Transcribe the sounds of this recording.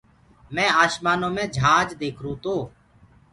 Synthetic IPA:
mɛ̃ːaːʃmaːnõːmẽːd͡ʒʱaːd͡ʒd̪eːkʰɾũːt̪oː

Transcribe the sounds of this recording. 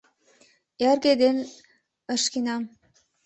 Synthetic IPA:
erɡed̪en | ə̆ʃkinɑm

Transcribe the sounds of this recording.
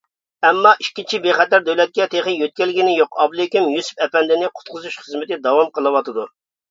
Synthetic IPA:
ɛmːɑʔikʲːint͡ʃʰibeχɛt̪æɾd̪ɛwlɛt̪̚kʲɛt̪ʰeχənjøt̪̚kʲɛlːɪɡʲinɪjoqɑblˠekʲimjusu̥pɛpɛnd̪ɪnɪqʰʊ̥t̪̚qʰʊzuʃχəzmɪt̪ɪd̪ɑwɑmqəlˠɨwɑt̪ɨd̪u

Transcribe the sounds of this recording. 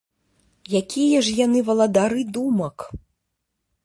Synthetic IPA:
jakʲijɐʐjanɨvɐlˠɐd̪aɾɨd̪umɐk

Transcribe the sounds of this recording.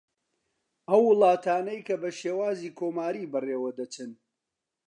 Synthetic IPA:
ʔɐwːɨlˠɑːt̪ʰaːnɐjkɐbɐʃeːwaːziːkʰoːmaːɾiːbɨreːwɐd̪ɐt͡ʃɨn

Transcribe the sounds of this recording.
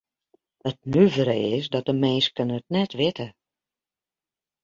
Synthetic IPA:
ət̚nyvɾəɪsdɔt̚dəmeːskənəət̚nɛtʋɪtə

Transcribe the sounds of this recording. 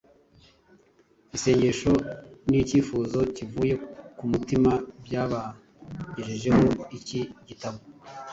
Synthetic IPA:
ɟise̞ːɲɟe̞ʃo̞niciːfuzo̞civuːje̞kumutimabjaβa | ɲeʒeʒe̞ho̞iciɟitaβo

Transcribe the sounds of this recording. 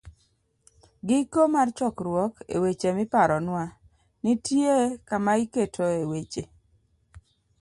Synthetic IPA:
ɡɪkomart͡ʃɔkɾwɔkḛwet͡ʃemɪpaɾɔnwa | nɪtjekamaiketʰoewet͡ʃe

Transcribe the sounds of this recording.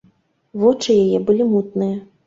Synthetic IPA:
vɔt͡ʂɨjajɛbɨlʲimut̪̚nɨjɐ

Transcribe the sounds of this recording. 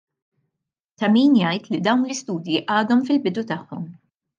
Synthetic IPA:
t̪ɐmiːnjɐjt̪lid̪ɐwnlɪst̪uːd̪jiʔɐːd̪ɔmfɪlbɪd̪ut̪ɐħːɔm

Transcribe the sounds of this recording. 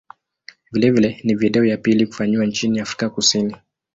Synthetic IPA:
vilɛvilɛniviɗɛɔjapiliku̥faɲiwant͡ʃiniafɾikakusini

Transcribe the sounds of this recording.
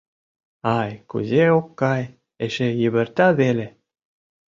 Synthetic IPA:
ɑjkṵzeokːɑj | eʃejiβɘ̆rt̪ɑβele

